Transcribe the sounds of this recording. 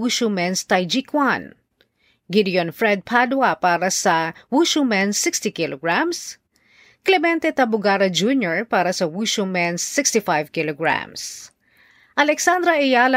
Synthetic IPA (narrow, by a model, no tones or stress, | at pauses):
uʃumɛnst̪ɐjd͡ʒikwan | ɡid̪jonfɹɛd̪̚pʰad̪wɐpaːɾɐsɐwuʃumɛnsɪkst̪ikɪlʔoɡɹams | klɛmɛnt̪ɛt̪ɐbʊɡaːɾɐd͡ʒunjɔɹpaːɾɐsɐwuʃumɛnsːɪkst̪ɪfajvkɪloɡɹa̰ms | ʔɐlɛksand̪ɾɐʔɛjalɐ